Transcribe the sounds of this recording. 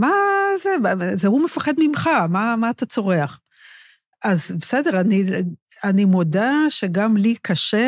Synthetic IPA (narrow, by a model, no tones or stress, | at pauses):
mazezeɦumefaχedmimχamamaːtat͡so̞ʁe̞aχ | azbesede̞ʁani | animodaʃeɡamlikʰaʃe